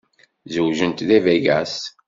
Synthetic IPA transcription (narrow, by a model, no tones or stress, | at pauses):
zəwʒənt̪ðævæʝæs